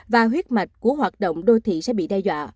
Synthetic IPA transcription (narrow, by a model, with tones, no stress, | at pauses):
vaː˨˩ɦwi˦˥ət̚ma˨˩jk̟̚ku˧˩əɦwaː˨˩t̚ɗo̰˧˨wŋ͡mɗo˧t̪ʰḭ˧˨sɛ̰˧˥ɓḭ˧˨ɗɛ˧jzwa̰ː˧˨